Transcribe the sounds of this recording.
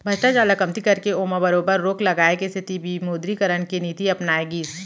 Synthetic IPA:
bʱɐt͡ʃʈad͡ʒaːlakɐmt̪ikɐɾkeoːmabɐɾoːbəɾːoːklɐɡaːekest̪ɪt̪ibimoːd̪ɾikɐɾəɽ̃keniːt̪iɐpnaːeɡiːs

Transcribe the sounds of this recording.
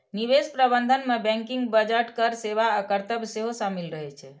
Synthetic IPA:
niβespɾəbənd̪ʱənmebɛ̃ŋkiŋɡbəd͡ʒəʈkəɾseβaəkəɾt̪əbseɦosamilɾəɦɛt͡ʃʰɛ

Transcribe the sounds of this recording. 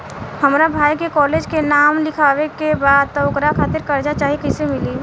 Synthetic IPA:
hɐmɾabʱaːjkekɔːleːd͡ʒkenaːmlɪkʰaːʋekebaːd̪̚t̪ɐʊkɾakʰaːt̪ɪɾkɐɾd͡ʒat͡ʃaːɦiekɛsemɪliː

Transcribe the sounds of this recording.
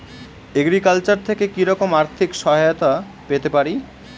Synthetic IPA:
eɡɾikalt͡ɕaɾt̪ʰekekiɾɔkomaɾt̪ʰikʃɔɦajot̪a | pet̪epaɾi

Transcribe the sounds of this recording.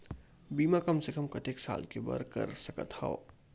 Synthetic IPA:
biːmãkɐmsekɐmkɐt̪eksa̰ːlkebɐ̰ɾkɐ̰ɾsɐkə̰t̪ha̰

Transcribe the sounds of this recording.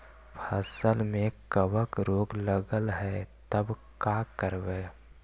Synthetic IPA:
pʰəsəlmẽkəwəkɾoːɡləɡəlɦɛt̪əbkaːkəɾʋeː

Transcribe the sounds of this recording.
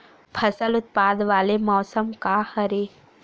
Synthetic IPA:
pʰɐsəlʊt̪̚paːd̪ʋaːlemɔːsəmkahɐɾeː

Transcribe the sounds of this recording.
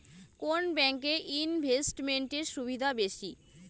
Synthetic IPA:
konbɛŋkeʔinbʱesʈmeɳʈeɾʃubid̪ʱabeʃi

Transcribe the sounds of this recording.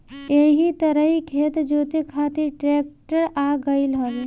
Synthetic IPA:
eɦit̪ɐɾəɦikʰeːt̪d͡ʒoːt̪ekʰaːt̪iʈɾeːk̚ʈəɾaːɡəilɦoːʋe

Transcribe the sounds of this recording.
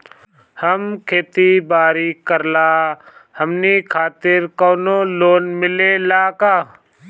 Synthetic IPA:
həmkʰeːt̪ibaːɾikəɾlaːhəmnikʰaːt̪ɪɾkoːnoːloːnmɪlelaːkaː

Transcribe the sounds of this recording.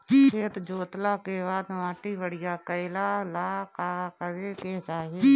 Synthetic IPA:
eːt̪d͡ʒoːt̪laːkeːʋaːd̪ʋãːʈiːbəɽɪjaːkəɪlaːlaːkaːkəzeːket͡ʃaːɦeː

